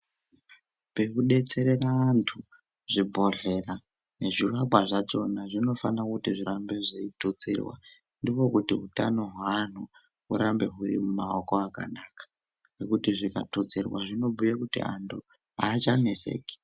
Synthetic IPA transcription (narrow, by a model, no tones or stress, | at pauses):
pe̞kuɗe̞t͡se̞ɾe̞raːntʰu | ʐibʱo̞ɮe̞ra | ne̞ʐiraɓwaʐat͡ʃo̞naʐino̞fanakutiʐiɾambe̞ʐiitut͡sḭrwa̰ | ndiwo̞kutiɦutano̞ɦwan̤u | uɾambe̞ɦuɾḭmumaoko̞aka̰naːkḁ | nekutiʐika̰tut͡sirwaʐino̞bʱujakutḭa̰ntʰu | aːt͡ʃane̞se̞̰ːke̥